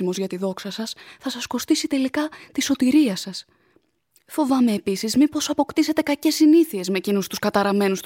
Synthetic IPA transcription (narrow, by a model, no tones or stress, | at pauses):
imo̞zʝɐt̪iðo̞ksɐsɐsθɐsɐsko̞st̪isit̪e̞likɐt̪iso̞t̪iɾiɐsɐs | fo̞vɐme̞ːpisizmipo̞sɐpo̞kt̪ise̞t̪e̞kɐce̞sːiniθie̞zme̞cinust̪uskɐt̪ɐɾɐme̞nust̪